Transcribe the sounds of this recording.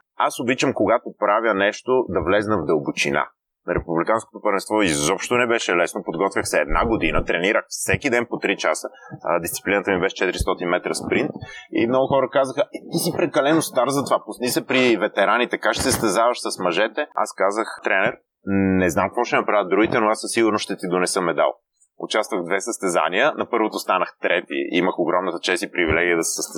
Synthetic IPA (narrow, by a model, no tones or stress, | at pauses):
asobit͡ʃəmkoɡat̪opɾavjənɛʃt̪od̪ɐvlɛznɐvd̪əlˠbot͡ʃḭna̰ | nɐɾɛpublikansko̥t̪opəɾvɛnst̪vɔizɔpʃt̪onɛbɛʃɛlɛsnopod̪ɡɔt̪vʲjəxsɛːd̪na̰ɡod̪inət̪ɾɛniɾəxfsɛkid̪ɛnpot̪ɾit͡ʃasəd̪ist̪si̥plinət̪əmibɛʃɛ̥t͡ʃɛt̪iɾist̪ɔt̪inmɛt̪ɾəspɾint̪ḭmnɔɡʊxɔɾəkazəxəɛt̪isipɾɛkɐlɛnost̪aɾzɐt̪ovapʊsnisɛpɾivɛt̪ɛɾanit̪ɛkat͡ʃɛ̥sɛst̪ɛzavəʃsɐsmɐʒɛt̪ɛa̰skazəxt̪ɾɛnɛɾ | nɛznamkvɔʃɛnɐpɾavət̪̚d̪ɾuɡit̪ɛnoasəsiɡʊɾnoʃt̪ɛt̪id̪onɛsɤmɛd̪a̰lˠ | ʊ̰t͡ʃast̪vəɣd̪vɛsəst̪ɛza̰niənɐpɤɾvot̪ost̪anəxt̪ɾɛpḭḭməxoɡɾɔmnət̪ə̥t͡ʃɛst̪ipɾivilɛɡʲiəd̪ɐsɛ̥səst̪ɛ